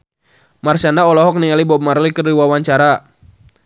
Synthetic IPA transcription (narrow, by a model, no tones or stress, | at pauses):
marsanaɔlɔɦɔk̚niŋalibɔb̚marlikərliwawaɲt͡ʃaɾa